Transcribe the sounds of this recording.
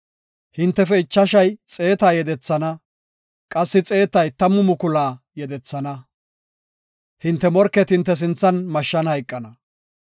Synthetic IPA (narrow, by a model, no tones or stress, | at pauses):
hɪnt̪ːɛfɛɪt͡ʃːɐʃɐjt͡sʼe̞ːt̪aːjɛd̪ɛt͡sːɐnɐ | kʼɐsːɪt͡sʼe̞ːt̪ɐjt̪ɐmʊmʊkʊlaː | jɛd̪ɛt͡sːɐnɐ | hɪnt̪ːɛmɔɾkːɛt̪hɪnt̪ːɛs̬ɪnt͡sːɐnmɐʃːɐnhɐjkʼːɐnɐ